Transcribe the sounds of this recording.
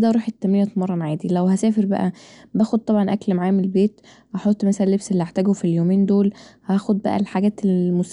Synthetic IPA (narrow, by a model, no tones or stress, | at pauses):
d̪æɾˤuːħet̪ːæmːiːjæt̪mɑrˤːɑnʕaːd̪ilæwhæsæːfeɾbæ̰ʔæbæːxod̪̚t̪ˤɑbʕɑnʔæklmaʕaːmelbeːt̪ | hæħot̪ˤːmæsæælːebselːihaħt̪æːɡofiljoːmeːnd̪oːlhæxod̪̚bæ̰ʔæ̰lħaɡæːt̪elmos